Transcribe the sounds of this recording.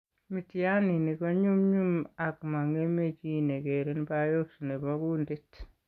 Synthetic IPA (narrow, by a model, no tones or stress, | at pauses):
mitianinikɔɲumɲumakmaŋemet͡ʃinekeɾinbajosunebakundɪt